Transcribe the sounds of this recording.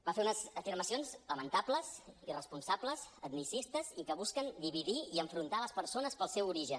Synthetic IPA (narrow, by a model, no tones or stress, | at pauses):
bafeunəzəfiɾməsionzləmənt̪abləzirəspunsabləzət̪misist̪əzikəβuskənd̪iβiðiiəɱfɾunt̪aləspəɾsonəspəlˠsɛwuɾiʒən